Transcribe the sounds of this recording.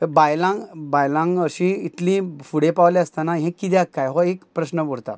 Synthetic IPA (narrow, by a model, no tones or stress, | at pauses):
bajlãŋɡbajlãŋɡəɕĩit̪lĩfuɽepaʋlɛəst̪anaɦẽkːid̪jakːajɦɔekpɾəɕnəboɽt̪a̰